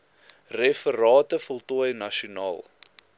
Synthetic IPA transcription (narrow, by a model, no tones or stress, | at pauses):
refəɾɑːtəfɔlˠtɔjnɐʃunɑ̰ːlˠ